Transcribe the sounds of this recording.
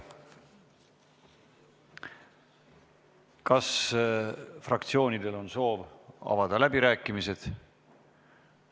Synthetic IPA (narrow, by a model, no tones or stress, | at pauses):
kɑs | frɑkt̪sio̞ːnid̪̥e̞lo̞nso̞ːvɑ̰vɑd̪ɑlæbiɾæːkːˑimise̞d̪̥